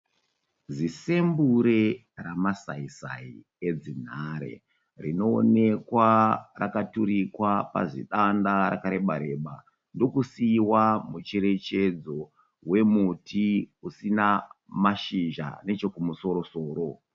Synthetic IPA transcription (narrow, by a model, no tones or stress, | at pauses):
d͡zise̞mbuɾe̞ | ramasaisai | ed͡zin̤aɾḛ | rino̞̰ːne̞kwarakatuɾikwapa̰ʐḭɗandaɾa̰kaɾe̞ɓaɾe̞ɓa | ndo̞kusiːwamut͡ʃe̞ɾe̞t͡ʃe̞d͡zo̞ | we̞mutiusina | maʃiʒa̰ne̞t͡ʃo̞kumuso̞ɾo̞so̞ːɾo̞